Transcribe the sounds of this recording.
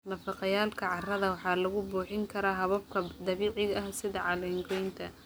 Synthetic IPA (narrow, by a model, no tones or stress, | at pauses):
nɐfɑqɑjaːlkʰɐʕɑrɐðɐwɑħɑːlɐɣʊbuːħɪŋkʰɐɾaːɦɐβɐb̚kʰɐd̪ɐβiːʕɪɣɐhsɪðɐʕɑlɛːŋɡʰɔjnt̪ʰɐ